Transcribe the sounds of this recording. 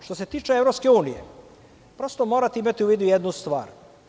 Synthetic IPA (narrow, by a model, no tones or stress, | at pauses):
ʃt̪oset̪iːt͡ʃeevɾopske̞uːnijḛ | pɾost̪omoːɾat̪eimat̪iuʋiːd̪ujed̪nust̪ʋaːɾ